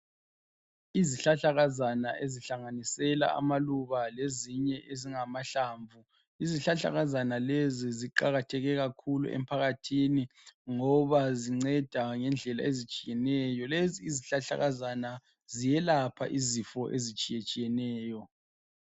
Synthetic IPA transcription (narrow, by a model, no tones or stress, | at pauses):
iziɬaɬaɣazanaʔeziɬaŋanisɛla̰a̰maluβaleziɲɛʔeziŋamaɬaːɱvu | iziɬaɬa̰ɣazanaleziziǃaɣatʰɛɣɛɣakʰulṵʔɛ̰m̩pʰaɣatʰiniŋɔβaziŋ͡ǀɛd̥ʱaŋɛnd͡ɮʱɛla̰ezit͡ʃʼijɛnɛjɔleziːziɬaɬa̰ɣazana | zijɛlapʰa̰ʔizifɔʔezit͡ʃʼijet͡ʃʼijɛnɛːjɔ